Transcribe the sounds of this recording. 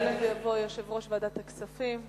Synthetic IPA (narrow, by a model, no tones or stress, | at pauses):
livejavo̞joʃevʁo̞ʃvaːd̪at̪aksafim